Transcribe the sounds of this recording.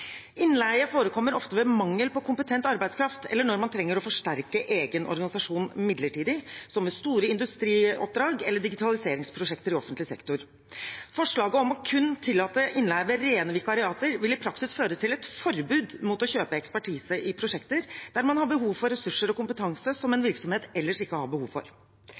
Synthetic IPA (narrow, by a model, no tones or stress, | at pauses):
ʔɪnːlæɪəfoːɾəkʰɔmːəɾɔft̪əʋɛmɑŋːəlpɔkʰʊmpət̪ʰɛnt̪ɑɾbæɪd̪skʰɾɑft̪ʰɛ̰lːəɳɔɾmɑnt̪ʰɾɛŋːəɾɔfɔʂʈæɾkəʔeːɡənʔɔ̰ɾɡɑnɪsɑʂuːnmɪd̪ləʈiːd̪ɪsɔmːɛst̪uːɾəɪnd̪ʉst̪ɾiːɔ̰p̚d̪ɾɑːɡɛlːəɖɪɡɪt̪ʰɑlɪseːɾɪŋspʰɾʊʂɛkt̪əɾɪɔfənt̪lɪsɛ̰kt̪ʊɾ | fɔʂɭɑːɡəɔmɔkʰʉnːt̪ʰɪlːɑːt̪əʔɪnlæːʋəɾeːnəʋɪkɑɾɪɑːt̪əɾʋɪlɪpʰɾɑksɪsføːɾət̪ʰɪlɛt̪fɔɾbʉːd̪mut̪ɔçøːpəɛkspæʈʰiːsəʔɪpʰɾʊʂɛkt̪əɾd̪̥æɾmɑnhɑɾbəɦuːʋfɔɾəsʉʂːəɾɔkʊmpət̪ʰɑŋsəsɔmɛnʋɪɾksɔmheːt̪ɛlːəʂɪkːəhɑ̰ɾbəhuːʋfɔ̰ɾ